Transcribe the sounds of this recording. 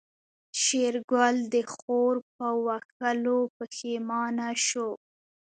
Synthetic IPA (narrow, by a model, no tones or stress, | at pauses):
ʃeɾɡwald̪əxoɾp̚əwak̚əlopəxemɑnaʃo